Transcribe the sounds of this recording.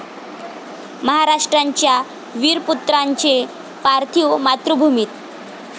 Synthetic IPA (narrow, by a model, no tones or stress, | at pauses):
məɦaɾaʂʈɾaɲt͡ɕja | ʋiːɾput̪ɾaɲt͡ɕe | paɾt̪ʰiwmat̪ɾəbʱumiːt̪